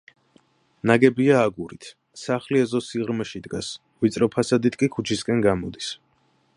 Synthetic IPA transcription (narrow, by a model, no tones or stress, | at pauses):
naɡɛbiaːɡuɾit̪ʰ | saχliɛzɔsiʁɾmɛʃid̪ɡas | vit̪sʼɾɔpʰasad̪it̪ʰkʼikʰut͡ʃʰiskʼɛnɡamɔd̪is